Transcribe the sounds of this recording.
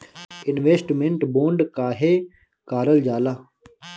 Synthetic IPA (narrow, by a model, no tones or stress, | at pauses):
ɪnʋeːsʈmẽɳʈboːɳɖkaːɦeː | kaːɾəld͡ʒaːlaː